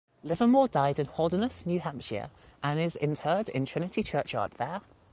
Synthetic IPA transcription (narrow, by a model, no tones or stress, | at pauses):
lɪvəmɔːdaɪdɪ̃nhɔlˠdənəsnjʉːɦãmpʃɪ̰ə̰ʔə̃nɪzɪ̰̃ntʰɜːdɪ̰̃ntʰɹ̥ɪnɪtit͡ʃʰɜˑt͡ʃɑ̰ˑʔðə